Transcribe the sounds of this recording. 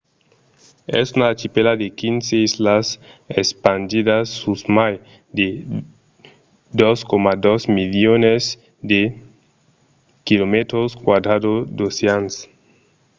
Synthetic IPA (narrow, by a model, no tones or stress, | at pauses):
ɛ̰sunat͡ʃipelad̪ekinseislasespand͡ʒidasːusmaj | d̪e | d̪oskomad̪osmiljones | d̪e | kilomet̪ɾoskwad̪ɾad̪od̪oseans